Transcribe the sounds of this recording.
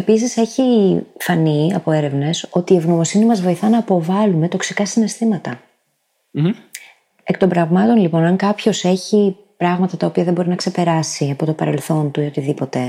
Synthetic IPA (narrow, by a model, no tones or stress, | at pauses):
epis̬ise̞çifɐniɐpo̞e̞ɾe̞vne̞so̞t̪iːevno̞mo̞sinimɐzvo̞iθɐnɐːpo̞vɐlume̞t̪o̞ksikɐsine̞st̪imɐt̪ɐ | e̞k̚t̪o̞mbɾɐvmɐt̪o̞nlipo̞nɐŋkɐpço̞se̞çi | pɾɐɣmɐt̪ɐt̪ɐopiɐðebo̞ɾinɐkse̞pe̞ɾɐsiɐpo̞t̪o̞pɐɾe̞lθo̞nt̪uio̞t̪iðipo̞t̪e̞